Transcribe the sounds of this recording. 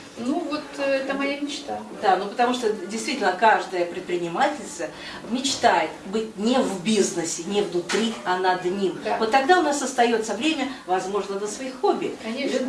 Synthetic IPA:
nuvot̪ɛt̪əmɐjamʲɪt͡ɕt̪ad̪anupət̪ɐmuʂt̪odʲɪjst̪vʲitʲɪlʲnəkaʐd̪əjəpɾʲɪt̪̚pɾʲɪnʲɪmatʲɪlʲst̪və | mʲɪt͡ɕt̪ajɪt̪bɨt̚ʲnʲɪvbʲiznəsʲɪnʲɪvnʊt̪ɾʲiɐnɐd̪nʲimvot̪ːɐɡd̪aʊnasəst̪ɐjo̞t̪səvɾʲemʲəvɐzmo̞ʐnəd̪lʲəsvɐixxobʲːɪɐ

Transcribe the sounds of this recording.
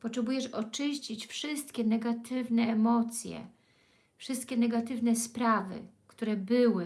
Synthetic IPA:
pɔtʂɛbujɛʂɔt͡ʂɘɕt͡ɕit͡ɕfʂɘst̪kʲɛnɛɡat̪ʰɘvnɛːmɔt̪sʲjɛ̰ | fʂɘst̪̚kʲɛnɛɡat̪ɘvnɛspɾavɘ̰kt̪uɾɛbɘwɘ

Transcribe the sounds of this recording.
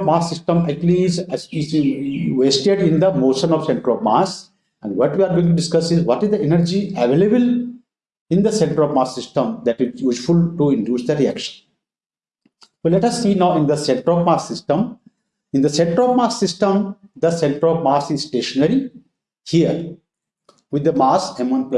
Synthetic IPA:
maːsːɪsʈə̃mæɪt͡ʃlizzʋesʈeɖɪ̃nd̪əmoːʃə̃nɔʋsẽɳʈəɾɔʋma̰ːs | ɛ̃ɳɖʋɔʈʋiaːɾɡoːɪ̃ŋʈ̬uɖɪskʌsizʋɔʈɪzd̪ɐenəɾd͡ʒiæʋeːlebəl | ɪ̃nd̪əsẽɳʈəɾɔʋmaːsːɪsʈə̃md̪æʈizjud͡ʒfulʈuɪ̃ɳɖjuːsd̪əɾiæ̰kʃə̥̃n | solɛʈɐsːiːnaʊɪ̃nd̪əsẽɳʈəɾɔʋmaːssɪsʈə̃m | ɪ̃nd̪əsẽɳʈəɾɔʋmaːssɪsʈə̃md̪əsẽɳʈəɾɔʋmaːsizsʈeːʃənəɾi | hiəɾ | ʋɪd̪ːəmaːsẽmɔ̃np

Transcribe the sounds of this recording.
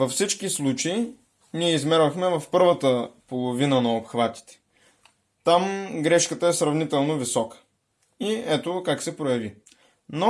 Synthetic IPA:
vɐfsit͡ʃkislˠut͡ʃɐi | niɛizmɛɾvəxmɛvɐfpɤɾvət̪əpolˠovinənɐopxvat̪i̥t̪ɛ̥ | t̪amɡɾɛʃkət̪əɛsɾɐvnit̪ɛlˠnovisɔkə̥ | iɛt̪okaksɛpɾojɐvi | no

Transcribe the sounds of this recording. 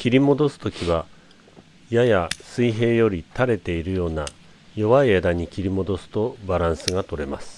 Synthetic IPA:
kʲiɾʲimo̞d̪o̞sɨ̥t̪o̞kʲiβa | jajasɨiɦe̞ːjo̞ɾʲit̪aɾe̞t̪e̞iɾɯ̟jo̞ːna | jo̞βaied̪aɲ̟ikʲiɾʲimo̞d̪o̞sɨ̥t̪o̞baɾãɰ̃sɨɡat̪o̞ɾe̞masɨ̥

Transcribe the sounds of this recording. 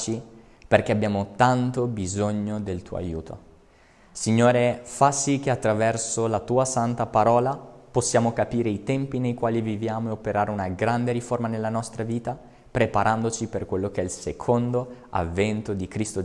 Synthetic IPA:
t͡ʃi | perk̟eabːjaːmot̪ant̪obizoɲːod̪elt̪uːo̰a̰jṵːt̪ʰo̰ | siɲːoːɾefasik̟eat̪ːɾavɛrsolat̪uːasant̪apaɾɔːlaposːjaːmokapiːɾeit̪ɛmpinejkwaːlivivjaːmoeopeɾaːɾeunaɡɾand̪eɾiformanelːanɔst̪ɾaviːt̪a | pɾepaɾʔand̪ot͡ʃiperkwelːokeɛilsekʰond̪o | a̰vːɛnt̪od̪ikɾist̪o

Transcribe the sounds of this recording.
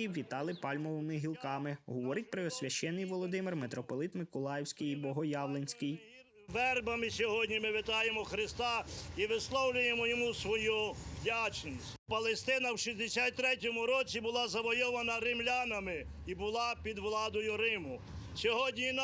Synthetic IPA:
iʋʲit̪ɑlˠɪpɑlʲmɔʋɪmɪɦʲilˠkɑmɪɦɔʋɔɾɪt̚ʲpɾɪɔsʲʋʲɐʃt͡ʃɛnːɪjʋɔlˠɔd̪ɪmɪrmet̪ɾɔpɔlˠɪt̪mɪkʊlˠɑjɪwsʲkɪjibɔɦɔjɑʋlˠenʲsʲkɪj | ʋɛrbɐmɪsʲɔɦɔdʲnʲimɪʋɪt̪ɑjemɔxɾɪst̪ɑiʋɪslˠɔwlʲʊjemɔjɔmusʋɔjuwdʲat͡ʃnʲisʲ | pɐlˠest̪ɪnɐwʃizʲd̪esʲat̪̚ʲt̪ːɾɛtʲɔmʊɾɔt͡sʲibʊlˠɑzɐʋɔjɔʋɐnɐɾɪmlʲanɐmɪ | ibʊlˠɑpʲid̪ʋlˠɑd̪ɔjʊɾɪmʊ | sʲɔɦɔdʲnʲin

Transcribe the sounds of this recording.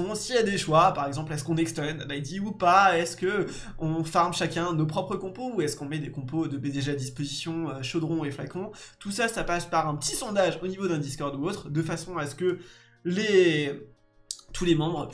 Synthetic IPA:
ɔ̃sijad̪eʃwapaʁɛɡzɑ̃plɛskɔ̃nɛkst̪ɔnbaid̪iupaɛskə | ɔ̃faʁmʃakʲɛ̃nopχɔpχəkɔ̃pouɛskɔ̃mɛd̪ekɔ̃pod̪əbed̪eʒead̪ispozisjɔ̃øʃod̪ʁɔ̃efla̰kɔ̃ | t̪usasapaspaʁɛ̃pət̪isɔ̃d̪aʒonivod̪ɛ̃d̪iskɔʁd̪uot̪χd̪əfasɔ̃asə̥kə | le | t̪ʰulemɑ̃bʁ

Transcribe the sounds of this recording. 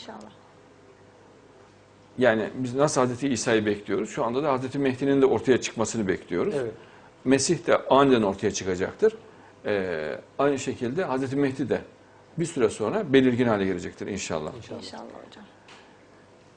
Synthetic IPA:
aa | jaːnḭbiznasɯlˠhazɾet̪ʰiiːsaːjɯbɛclʲijo̞ɾuz̥ʃuand̪ad̪ahazɾet̪ʰimɛhd̪inind̪ɛo̞ɾt̪ʰajat͡ʃʰɯ̥kmasɯnɯbɛclʲijo̞ɾuz | mesiçt̪ɛʔajnɯd̪æno̞ɾt̪ʰajat͡ʃʰɯ̥kad͡ʒa̰k̚t̪ʰɯɾ̥ | ɛːajnɯʃe̞cʰilʲd̪ɛɦazɾet̪ʰimɛhd̪id̪ɛ | biɾsyɾɛso̞nɾabe̞lʲiɾɟinhaːlʲɛɟeɾed͡ʒɛc̚t̪ʰiɾḭnʃa̰lˠːa̰

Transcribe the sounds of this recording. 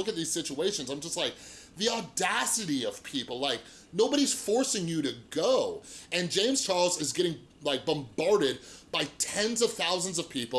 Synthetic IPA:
ʊkɨt̪̚ðiz̥sɪt͡ʃueɪʃɨ̃n̩zãɪ̃md͡ʒʌst̚ˡlaɪk̚ðiɔdæsɨɾiʌv̥pʰipl̩ˠlaɪk̚ | noʊbəɾiz̥fɔɹsɪ̃ŋjɨɾɨɡoʊɨ̃nd͡ʒẽɪ̃mz̥t͡ʃʰɑɹlˠzɨzɡɛɾɪ̃ŋ | laɪk̚b̥ə̃mbɑɹɾɪd̚b̥aɪtʰɛ̃nzʌv̥θaʊzə̃n̩zʌv̥pʰipl̩ˠ

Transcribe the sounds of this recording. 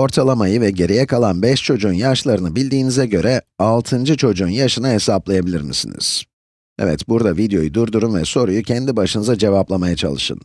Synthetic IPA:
o̞ɾt̪ʰalˠamajɯvɛɟe̞ɾijɛkʰalˠanbɛʃt͡ʃʰo̞d͡ʒunjaʃlˠaɾɯnɯbilʲd̪iːnizɛɟø̞ɾɛalˠt̪ʰɯnd͡ʒɯt͡ʃʰo̞d͡ʒunjaʃɯnaɦe̞saplˠajabilʲiɾmḭsḭnḭz̥ | ɛ̰vɛ̰t̪buɾd̪avid̪jo̞jud̪uɾd̪uɾunvɛso̞ɾujucʰɛnd̪ibaʃɯnɯzad͡ʒe̞vaplˠamajat͡ʃʰa̰lˠɯʃɯ̰n

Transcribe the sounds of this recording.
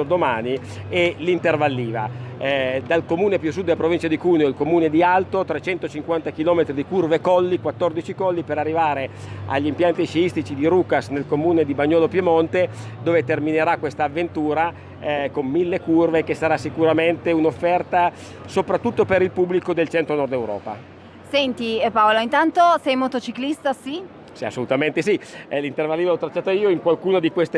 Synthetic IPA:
d̪omaːni | elint̪ervalːiːva̰ | d̪alkomuːnepjus̬ud̪ːelːapɾovint͡ʃad̪ikuːneoilkomuːned̪ialt̪ot̪ɾet͡ʃɛnt̪ot͡ʃiŋkwant̪akilɔːmet̪ɾid̪ikurvekɔlːikwat̪ːord̪it͡ʃikɔlːipeɾarːivaːɾe | a̰ʎːimpjant̪it͡ʃiist̪it͡ʃid̪iɾuːkasnelkomuːned̪ibaɲːɔːlopjemont̪ed̪oːvet̪ermineɾakwest̪aːvːent̪uːɾa | komːilːekurvekesːaɾasːikuɾament̪eunofːɛrt̪a | sopɾat̪ːut̪ːopeɾilpubːlikod̪elt͡ʃɛnt̪ɾonɔrd̪ewɾɔ̰ːpa̰ | sɛnt̪ipaoloint̪ant̪osɛjmot̪ot͡ʃiklist̪asi | sia̰sːolut̪ament̪esilint̪ervaliːvaɔt̪ːɾat͡ʃːaːt̪oiːoiŋkwalkuːnod̪ikwest̪e

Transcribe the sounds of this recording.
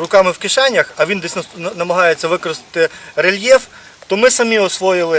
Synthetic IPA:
rʊkɑmɪwkɪʃɑnʲːɐxɐʋʲind̪ɛsʲnɐnɐmɐɦɑjet͡sʲːɐʋɪkɔɾɪst̪ɪ̥t̪ɪɾelʲjɛw | t̪ɔmɪsɐmʲiɔsʋɔjɪlˠɪ

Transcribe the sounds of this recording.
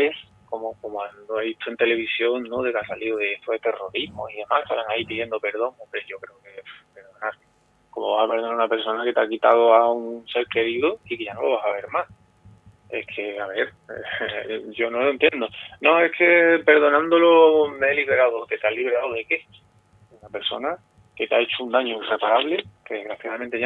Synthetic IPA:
es | ko̞moko̞moanoeβit̪ʰue̞nt̪e̞le̞βisjoŋnoðe̞kasalioðeeht̪ʰoeht̪e̞ro̞ɾiɦmo̰hiðe̞mahst̪a̰laŋaipiðje̞nd̪ope̞ɾðo̞ŋombɾeʝo̞kɾe̞oke̞fpe̞ɾðo̞naɾ | ko̞moβasapeɾðnaunape̞ɾso̞nake̞t̪akit̪að̞oauŋse̞ɾke̞ɾiðoikeʝanolo̞βasaβe̞ɾmas | e̞̰kʰe̞aβe̞ɾ̰ | ɟ͡ʝo̞noloent̪je̞nd̪onõe̞kʰe̞pe̞ɾðo̞nãnd̪olomeeliβ̞e̞ɾaðoke̞t̪aliβe̞ɾaoðeke̞ | deunape̞ɾso̞̰na | ket̪aet͡ʃound̪aɲoire̞paɾaβle̞keɣɾaθjaðament̪eʝa

